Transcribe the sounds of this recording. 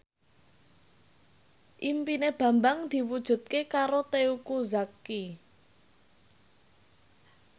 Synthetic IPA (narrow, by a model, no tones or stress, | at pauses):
ʔimpineb̥ä̤mbaŋd̪̥i̤wud̥ʒ̥ṳt̪̚kekaɾot̪eukuzakːi